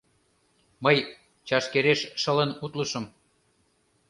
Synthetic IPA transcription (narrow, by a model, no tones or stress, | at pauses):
mɤj | t͡ɕɑʃkeɾeʃʃələnut̪ləʃə̆m